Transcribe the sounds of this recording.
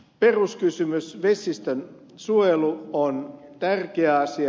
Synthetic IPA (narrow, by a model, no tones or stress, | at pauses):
peruskysymysʋesˑist̪øn | suojeluont̪ærkeæɑsi